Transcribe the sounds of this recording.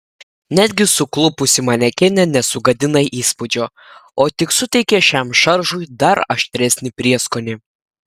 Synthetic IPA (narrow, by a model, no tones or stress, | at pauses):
nʲæːd̪ʲɡʲɪsʊklˠʊpʊsʲɪmɐnʲɛkʲɛnʲɛnʲɛsʊɡɐd̪ʲɪnɐɪʔiːspʊd͡ʒʲoː | oːt̪ʲɪksʊt̪ʲɛɪkʲɛʃʲɛˑmʃɐɾʒʊjd̪ɐɾɐʃʲt̪ʲɾʲɛsʲnʲɪpʲɾʲiɛskoːnʲɪ